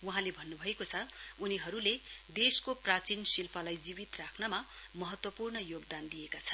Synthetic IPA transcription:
wuɦãlebʱʌnːubʱʌekot͡sʰʌuniɦʌɾuled̪eskoprat͡sinsilpʰʌlajd͡zibit̪rakʰnʌma | mʌɦʌt̪wʌpurnʌjoɡd̪and̪ijekat͡sʰʌn

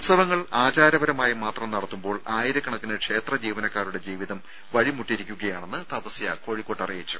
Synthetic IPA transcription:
ut̪sɐʋɐŋːɐɭaːt͡ɕaːɾɐʋɐɾɐmaːjimaːt̪rɐmnɐɽɐt̪ːumbo̞ːɭaːjiɾɐkːɐɳɐt̪ːinɨkʂe̞ːt̪rɐd͡ʑiːʋɐnɐkːaːɾuɽe̞d͡ʑiːʋiðɐm | ʋɐɻimuʈːiɾikʲːuɣɐjaːɳenːɨt̪ɐpɐsijɐ̰ko̞ːɻikːo̞ːʈːɐrijɐt͡ɕːu̥

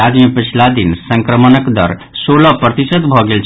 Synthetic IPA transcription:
ad͡ʒmepət͡ʃʰlad̪insəŋkɾəmənəkd̪ə̰ɾsoləpɾət̪isəd̪bʱɔɡelt͡ʃʰ

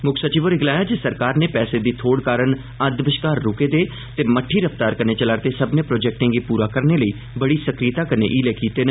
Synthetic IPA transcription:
mʊkʰsət͡ʃiːʋoːɾɪɡlaːjaːd͡ʒesəɾkaːɾneːpɛːseːd̪iːt̪ʰoːɽkaːɾən | əɾd̪ʋɪʃkaːɾːʊkeːd̪eː | t̪eːməʈʰːiːɾəft̪aːɾkəneːt͡ʃəlaːɾt̪eːsəbnẽːpɾoːd͡ʒɛːk̚ʈɪ̃ŋɡiːpuːɾaːkəɾneːləiː | bəɽiːsəkɾiːt̪aːkənḛːʔiːleːkiːt̪eːnə

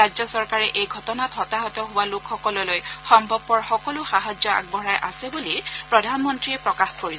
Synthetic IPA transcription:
ad͡ʑzjɔsɔɹkaɹɛʔejɡʱɔtɔnatɦɔtaɦɔtɔɦʊwalokʰxɔkɔlɔlojxɔmbʱɔbːɔɹxɔkɔlʊxaɦazjɔa̰ɡ̚bɔɹajʔasɛbulipɹɔdʱanmɔntɹiɛpɹɔkaxkoɹis

